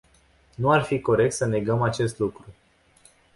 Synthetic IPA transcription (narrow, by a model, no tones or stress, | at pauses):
nuarfiko̞ɾe̞k̚t̪səne̞ɡəmat͡ʃe̞st̪lukɾu